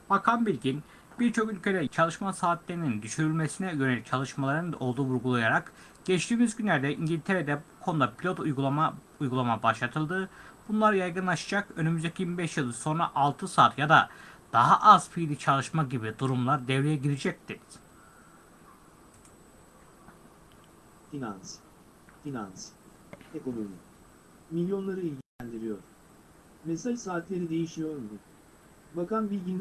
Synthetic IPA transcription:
b̥akʰanbiɾʲɟin | biɾt͡ʃʰo̞kylʲcʰe̞d̪ɛt͡ʃʰalˠɯʃmasaːt̪ʰlʲeɾinind̪yʃyɾylʲmesinɛjøɾelʲit͡ʃʰalˠɯʃmalˠaɾɯnd̪aʔo̞lˠd̪uːvuɾɡulˠajaɾak | ɟ̥ɛt͡ʃt̪iːmyzɟynlʲæɾd̪ɛiɲɟilʲt̪ʰeɾed̪ɛbukʰo̞nud̪apʰilʲo̞t̪ju | ujɡulˠamabaʃlˠat̪ʰɯlˠd̪ɯb̥unlˠaɾɯjajɡɯnlˠaʃɯ̥d͡ʒakø̞nymyzd̪ecʲʰijimibɛʃjɯlˠɯso̞nɾaʔalˠt̪ʰɯsaːt̪jad̪ad̪̥aɦaʔaz̥fijlʲit͡ʃʰalˠɯʃmaɟibid̪uɾumlˠaɾd̪evɾejɛɟiɾid͡ʒɛc̚t̪i | finans | finans | eko̞no̞mi | milʲjo̞nlˠaɾɯilʲɟiænd̪iɾijo̞ɾ | mesalsaːt̪lʲe̞ɾid̪e̞jiʃmijoɾmu | bakanbilʲɟind̪

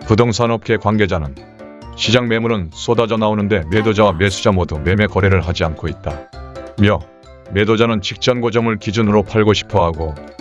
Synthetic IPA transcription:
pudoŋsʰanʌp̚k͈e̞kwanɡe̞d͡ʑanɯn | ɕʰid͡ʑaŋme̞muɾɯns͈ʰodad͡ʑʌnaonɯnde̞me̞dod͡ʑawame̞sʰud͡ʑamodume̞me̞kʌɾeɾɯɭɦad͡ʑiankʰoit̚t͈amjʌ | me̞dod͡ʑanɯnt͡ɕʰik̚t͡ɕ͈ʌnɡod͡ʑʌmɯɭkid͡ʑunɯɾopʰaɭɡoɕʰi̥pʰʌɦaɡo

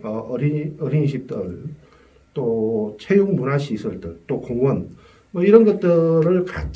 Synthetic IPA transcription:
ʌʌɾiʌɾinɕʰik̚t͈ɯɭ | t͈ot͡ɕʰejuŋmunaɕʰisʰʌɭdɯɭt͈okoŋwʌn | mʌiɾʌnɡʌt̚t͈ɯɾɯɭka̰t͡ɕ

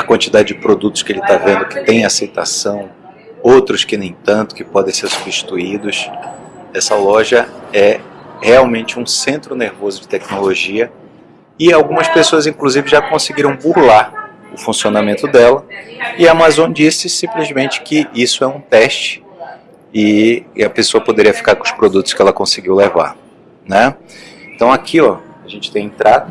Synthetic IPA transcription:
ɐkwɐ̃nt͡ʃid̪ad͡ʒɪd͡ʒɪpɾod̪ut̪ʊ̥skɪelɪt̪avẽnd̪ʊkɪ̥t̪ẽj̃asejt̪a̰sɐ̃w̃ | owt̪ɾʊskɪnẽj̃t̪ɐ̃nt̪ʊ̥kɪpɔd̪ẽseɾsubiʃt͡ʃi̥t̪uid̪ʊs | ɛsɐlɔʒɐɛheawmẽnt͡ʃɪũsẽnt̪ɾʊneɾvozʊd͡ʒɪt̪ɛknoloʒiɐ | ɪawɡũmɐspesoɐzĩŋkluzivɪʒakõsɪɡiɾɐ̃w̃buɾlaɾ | ʊfũsionamẽnt̪ʊd̪ɛlɐɪamazõd͡ʒisɪsĩplizmẽnt͡ʃɪ̥kɪʔisʊɛũt̪ɛʃt͡ʃɪ̥ | ɪɐpesoɐpod̪eɾiɐfi̥kaɾkõʊ̃spɾod̪ut̪ʊ̥skɪɛlɐkõsɪɡiwleva̰ɾ | nɛẽt̪ɐ̃w̃akʰiɔ | aʒẽnt͡ʃɪ̥t̪ẽj̃ẽt̪ɾad̪ʊ

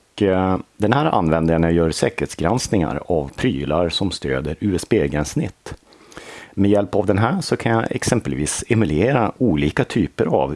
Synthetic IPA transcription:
kd̪ɛnhæːɾʔa̰nːvɛnd̪ənajœːɾsɛːkəɾheːt̪sɡɾansnɪŋa̰ɾavpʰɾyːlaɾsɔmst̪ø̰ːd̪əɾʉ̟ːɛspeːɡɾɛnsnɪ̰t̪ː | mɛjɛlpavd̪ɛnɦæːʂɔkʰanjaʔɛ̰ksɛmpəlviːsɛmɵleːɾauːliːkat̪ʰyːpəɾa̰v

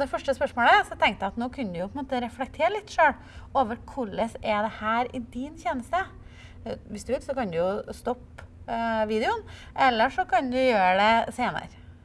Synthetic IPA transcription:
d̪ɛfœʂʈəspœʂmoːləæsɔt̪ʰɛŋkt̪jæɑt̪noːkʰʉnd̪ʉjʊpʰɔɪnmoːt̪əɾɛflɛk̚t̪ʰeːɾəlɪt̪ːʂøːɽ | oːʋəɾkʰʊɭəsɛd̪ɛhæːɾɪd̪ɪnçeːnəst̪ə | ʋɪsd̪ʉʋɪkːsɔkɑnd̪ʉjʊst̪ɔp | ʋiːd̪ɪʊnʔɛlːəʂɔkʰɑnd̪ʉjøːɾɖɛseːnə̰ɾ

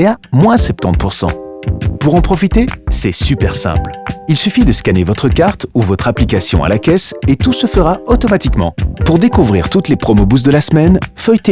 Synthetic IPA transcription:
eamwɛ̃sɛp̚t̪ɑ̃t̪̚puʁsɑ̰̃puʁɑ̃pχɔfit̪esɛsypɛʁsɛ̰̃plilsyfid̪əskanevɔt̪χəkaʁt̪uvɔt̪χaplikasjɔ̰̃a̰lakʲɛset̪usəfəʁaɔt̪ɔmat̪ikmɑ̰̃puʁd̪ekuvʁiʁt̪ut̪lepχɔmobus̬d̪əlasmɛnfœjt̪e

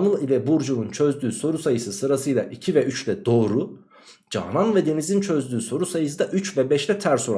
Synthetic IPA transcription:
nɯilʲɛbuɾd͡ʒununt͡ʃʰø̞zd̪yːso̞ɾusajɯsɯsɯɾasɯjlˠa̰ʔicʰivɛyt͡ʃlʲɛd̪o̞ːɾu | d͡ʒa̰ɦnanvɛd̪e̞nizint͡ʃʰø̞zd̪yːso̞ɾusajɯs̬ɯd̪aʔyt͡ʃvɛbɛʃlʲɛt̪ʰæɾso̞ɾ

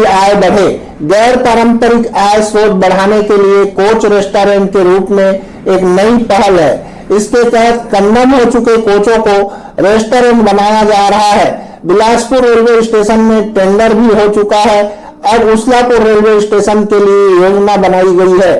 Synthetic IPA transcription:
aːebɐɽ̤e | ɡɛːɾpaːɾə̃mpəɾɪkaːesoːt̪̚bɐɽ̤aːnekeliekoːt͡ʃɾeːsʈoːɾẽɳʈkeɾuːpmẽ | eːknəipəɦəlɦɛ̰ː | ɪsket̪ɛɦət̪̚ʰkə̃nːəmɦot͡ʃʊkekoːt͡ʃõko | ɾeːsʈoːɾẽɳʈbɐnaːjad͡ʒaːɾɐɦaɦɛː | bɪlaːspʊɾːeːlweɪsʈeːʃənmẽʈẽːɳɖəɾbʱiɦot͡ʃʊkaɦɛ | ɔːɾʊslakoɾeːlweɪsʈeːʃənkeliejoːd͡ʒnabɐnaːiɡɐiɦɛː

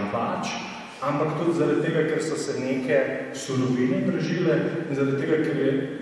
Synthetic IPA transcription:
pa̰t͡ʃ | ampakt̪ud̪zaɾad̪̚t̪ːeːɡakeɾsɔsɛneːkʰɛsuɾɔbiːnɛpɾɛʒilɛinzaɾad̪̚t̪eːɡakeɾjɛ

